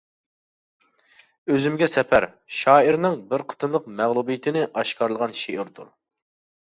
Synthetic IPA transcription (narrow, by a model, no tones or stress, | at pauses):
øzymɡʲɛsɛpʰæɾ | ʃɑːiɾnɨŋbɪɾqʰə̥t̪ʰɨnlˠəqmæʁlˠubijt̪ʰɪnɪʔɑʃkɑɾlˠəʁɑnʃeʔɪɾd̪ṵɾ